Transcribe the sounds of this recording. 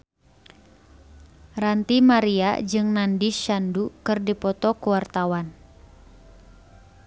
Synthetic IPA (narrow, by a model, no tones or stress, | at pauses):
rant̪imaɾia̰d͡ʒɨŋnandiʃandukɨrdipɔt̪ɔkuwart̪awan